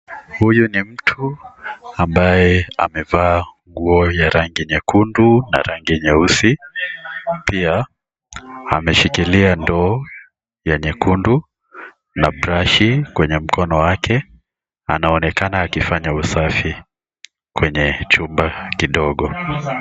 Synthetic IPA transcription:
hujunim̩tʰu | ambajɛa̰mɛvaːŋɡuɔjaɾaŋɡiɲɛkunduna̰ɾaŋɡiɲɛusi | pia | a̰mɛʃikiliandɔː | jaɲɛkundu | nabɾaʃikwɛɲɛm̩kʰɔnɔwakʰɛ | a̰naɔnɛkanaːkifaɲausafi | kwɛɲɛt͡ʃumbakiɗɔɠɔ

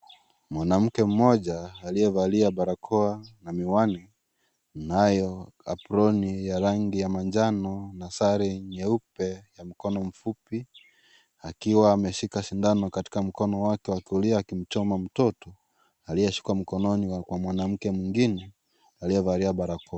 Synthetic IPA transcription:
mwanam̩kɛm̩mɔʄaːlijɛvaɾiaɓaɾakʰɔanamiwani | najɔa̰puɾɔnijaɾaŋɡijamaɲd͡ʒanɔnasaɾiɲɛupɛjam̩kɔnɔm̩fupi | akiwaːmɛʃikaʃindanɔkati̥kam̩kɔnɔwakɛwakiuliaːkim̩t͡ʃɔmam̩tɔtɔ | alijɛʃu̥kam̩kɔnɔniwakwamwanam̩kɛmwiŋɡinɛ | alijɛvaɾiaɓaɾakɔa

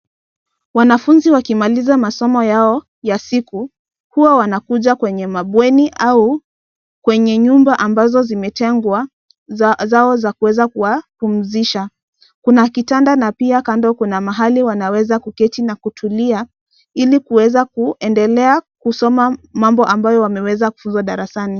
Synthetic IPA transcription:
wanafunziwakimalizamasɔmɔjaɔ | jasiku | huwawanakuʄakwɛɲɛmaɓwɛniʔau | kwɛɲɛɲumbaʔambazɔzimɛtɛŋɡwa | zaɔzakuwɛzakuwapum̩ziʃa | kunakitandanapiakandɔkunamaɦaliwanawɛzakukɛtinakutʰulia | ilikuwɛzakuʔɛndɛlɛakusɔmamambɔʔambajɔwamɛwɛzaku̥funzwaɗaɾasani

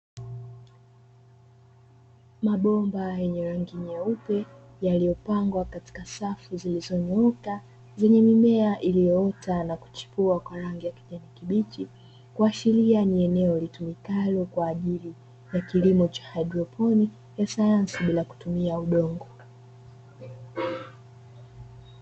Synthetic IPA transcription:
maɓɔmbajɛɲɛɾaŋɡiɲaupɛ | jalijɔpaŋɡwakati̥kasafuzilizɔɲɔka | zɛɲɛmimɛaʔilijɔɔtʰanaku̥t͡ʃi̥puakwaɾaŋɡijaki̥ʄɛnikiɓit͡ʃi | kuaʃilianiɛnɛɔlitumikalɔkwaːʄili | jakilimɔt͡ʃḁhaidɾɔpʰɔni | jasajansiɓilaku̥tumiauɗɔŋɡɔ

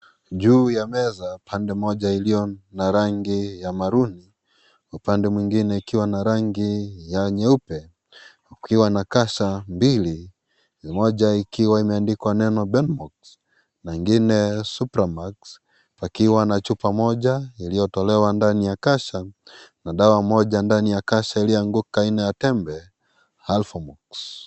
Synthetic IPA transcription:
ʄuːjamɛzapʰandɛmɔʄailijɔnaɾaŋɡijamaɾuni | upandɛmwiŋɡinɛikiwanaɾaŋɡijaɲɛupɛ | ukiwanakaʃambili | mɔʄaikiwaimɛandikwanɛnɔbɛnmɔks | naiŋɡinɛsupɾamaks | pakiwanat͡ʃupamɔʄailijɔtɔlɛwandanijakaʃanaɗawamɔʄandanijakaʃailijɔaŋɡukainɛjatɛmbɛ | halfɔmɔks

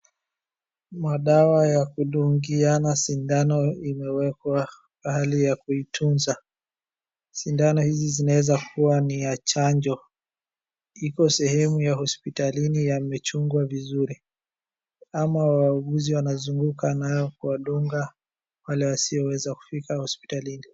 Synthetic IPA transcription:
maɗawajakuɗuŋɡianasindanɔimɛwɛkwa | ahalijakuitʰunza | sindanɔhizizinawɛzakuwanijat͡ʃaɲd͡ʒɔ | ikɔsɛhɛmujahɔspitalinijamɛt͡ʃuŋɡwavizuɾi | amawauɠuziwanazuŋɡukanajɔkuwaɗuŋɡa | walɛwasiɔwɛzaku̥fikahɔspi̥talini

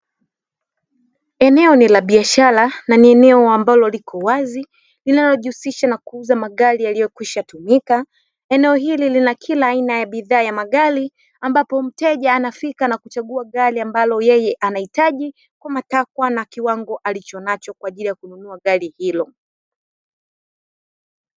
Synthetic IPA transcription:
ɛnɛɔnilaɓiaʃaɾananiɛnɛɔambalɔlikʰɔwazi | linalɔʄuusiʃanakuuzamaɠalialijɔkwiʃatumika | ɛnɛɔɦililinakʰilaːinajaɓiðaːjamaɠali | ambapɔm̩tɛʄaːnafikanakut͡ʃaɠuaɠaliambalɔjɛjɛʔanahitaʄi | kwamatakwanakiwaŋɡɔʔalit͡ʃɔnat͡ʃɔkwaːʄilijakununuaɠalihilɔ

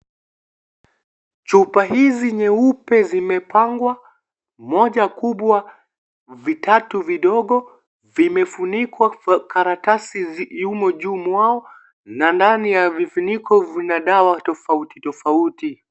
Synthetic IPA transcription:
t͡ʃupaɦiziɲɛupɛzimɛpaŋɡwa | mɔʄakuɓwa | vitatuviɗɔɠɔ | vimɛfunikwakaɾatasijumɔʄuːmwaɔ | nandanijavifunikʰɔvinaɗawatɔfauti̥tɔfauti

